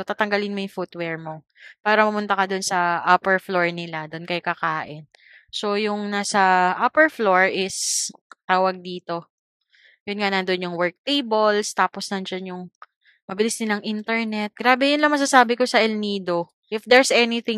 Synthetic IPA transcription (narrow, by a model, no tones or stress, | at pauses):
ot̪aːt̪ɐŋɡɐlɪnmojʊŋfut̪wɛɹmo̞ | paːɾɐmɐmʊnt̪ɐkɐd̪onsɐʔapɛɹfloɹnɪlad̪onkɐjkɐkaːʔɪn | so̞jʊŋnasɐʔapɛɹfloɹʔɪst̪aːwɐɡ̚d̪iːt̪o̞ | jʊnŋanɐnd̪onjʊŋwɛɹk̚t̪ejbolst̪aːposnɐnd͡ʒɐnjʊŋ | mɐbɪlɪsnɪlɐŋʔɪnt̪ɛɹnɛt̪̚ɡ̥ɾaːbɛjʊnlɐŋmɐs̬asaːbɪkosɐʔɛlniːd̪o̞ | ʔɪfd̪ɛɹsʔɛnɪθɪŋ